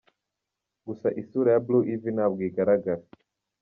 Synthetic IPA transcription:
ɡusaʔisuɾajabluʔivinaβɡiɡaɾaɡaɾa

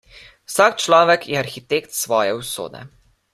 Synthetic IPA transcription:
wsakt͡ʃlɔːʋɛkjɛaɾxit̪ekt̪sʋɔːjɛwso̰ːd̪ɛ̰

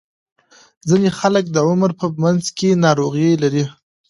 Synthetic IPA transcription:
zinexalək̚d̪əʊmɾpəmanzkenɑɾoɣjelaɾi

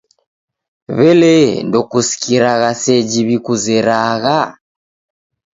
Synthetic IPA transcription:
βɛlɛndɔkusi̥kiɾaɣasɛd͡ʒiβikuzɛɾaɣa

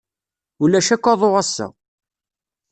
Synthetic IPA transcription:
ulæʃækʷːɑðˤoʁæsːa̰

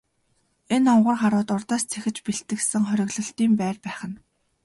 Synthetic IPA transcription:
enɔɴɢʊ̆rχaɾʊːt̪ʊrt̪aːst͡sʰexɘ̆t͡ɕpiɬt̪ɘ̆ksɘ̆ŋχœɾʲɪ̆ɣɮɞ̆ɬt̪iːmpæːrpæːχə̆n

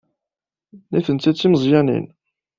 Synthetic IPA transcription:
niθənt͡s̪ːæt͡sːiməzˤjænḭn

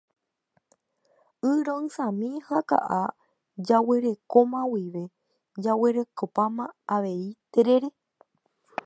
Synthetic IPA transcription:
ɨɾõɨ̃sãmĩhaka̰ʔa | d͡ʒawe̞ɾe̞komãwiʋe̞ | d͡ʒawe̞ɾe̞kopãmãaʋe̞it̪eɾe̞ɾe

